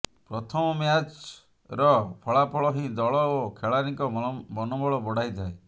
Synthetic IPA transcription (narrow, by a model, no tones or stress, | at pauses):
pɾɔt̪ʰɔmɔmjat͡ʃ | ɾɔpʰɔɭapʰɔɭɔɦĩd̪ɔɭɔokʰeɭaɾĩŋkɔbɔnɔbɔɭɔbɔɽ̤ajt̪ʰae